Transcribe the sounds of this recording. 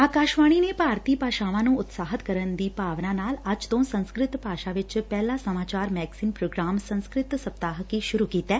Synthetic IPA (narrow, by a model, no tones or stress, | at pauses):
aːkaːʃʋaːɽ̃inepaːɾt̪iːpaːʃaʋãnũːʊt̪saːɦət̪kəɾənd̪iːpaːʋnãnaːlad͡ʒt̪õːnsə̃nskɾɪt̪paːʃaʋɪt͡ʃpɛːlasəmaːt͡ʃaːɾmɛːɡsiːnpɾoːɡɾaːmsə̃nskɾɪt̪səpt̪aːɦkiʃʊɾukiːt̪ɛː